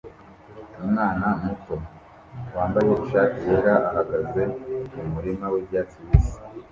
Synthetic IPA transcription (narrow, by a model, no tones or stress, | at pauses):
umŋaːnamuto̞ | waːmbajouʃaːcieɾaʔaɦaɡaze̞mumuɾimawebɟaːt͡siwisi̥